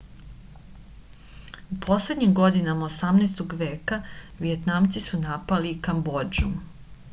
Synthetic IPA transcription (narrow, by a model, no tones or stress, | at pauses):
upʰo̞sle̞d̪ɲimɡo̞d̪inamaosamneːst̪oɡʋe̞ːkaʋiet̪namt̪sisunapalikambo̞d͡ʒum